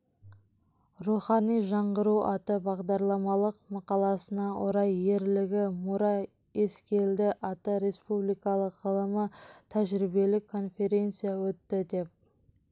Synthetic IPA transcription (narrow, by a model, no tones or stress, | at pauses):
ruχɑnijʒɑɴʁəɾuɑt̪əbɑʁd̪ɑɾlˠɑmɑlˠəqmɑqɑlˠɑsənɑʔo̰ɾɑje̞ɾlɪɡʲɪmuɾɑ | e̞skʲe̞ld̪ɪʔɑt̪əɾe̞spublijkɑlˠəqːəlˠəmət̪ʰæʒɾibe̞lɪkʰːo̞nfʲe̞ɾʲe̞nt̪sɨjawɵt̪ːɪd̪e̞p̚